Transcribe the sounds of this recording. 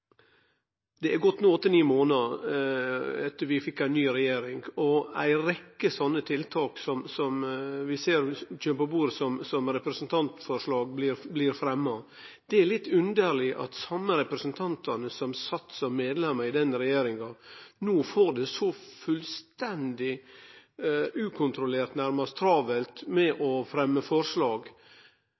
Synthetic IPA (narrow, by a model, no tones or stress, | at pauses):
d̪ɛæɾɡɔt̪ːnuːɔt̪ːəniːmoːnɑ | ɛt̪ːəɾʋɪfɪkːæɪnːyːɾɛjeːɾɪŋɔæ̰ɪɾɛkːəsɔnːət̪ʰɪlt̪ʰɑːksɔmsɔmʋɪseːɾt͡ʃøːnəpɔbuːɾəsɔmsɔmɾɛpɾɛsənt̪ʰɑnt̪fɔʂɭɑːɡblɪɾblɪɾfɾɛmːɑ | d̪̥ɛæɭɪt̪ːʉnd̪əɾɭɪʔɑ̰t̪sɑmːəɾɛpɾɛsənt̪ʰɑnt̪ʰɑnəsɔmsɑt̪ːsɔmːeːd̪lɛmːɑɾɪd̪ɛnɾɛjeːɾɪŋɑnoːfoːɖɛsɔfʉlst̪ɛnd̪ɪ | ʉːkʰʊnt̪ɾʊleːɾt̪næɾmɑst̪ʰɾɑːʋəlt̪mɛʔɔfɾɛmːəfɔɾʂlɑːɡ